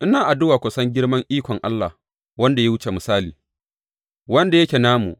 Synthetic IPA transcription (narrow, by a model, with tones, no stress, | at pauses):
ʔɪ˦naː˨ʔa˨dʊ˦waː˨kʷʊ˨sɐ˦ŋɡʲɪ˦ɽmɐ˦ŋʔiː˦kʷɔ˨ŋʔa˦lːa˨h | wɐ˦nda˨ja˦wʊ˦t͡ʃe˨mɪ˨saː˦lḭː˨ | wɐ˦nda˨je˦kʲeː˨naː˦mṵ˨ʔ